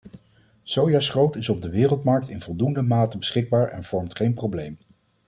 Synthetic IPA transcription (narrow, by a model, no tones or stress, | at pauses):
sowjaːsχowtɪsɔb̚dəʋɪːrəlˠtmɑɹk̚tɪnvɔlˠdundəmaːtəbəsχɪɡ̚baːɹɛ̰nv̥ɔɹmtχejnprowblejm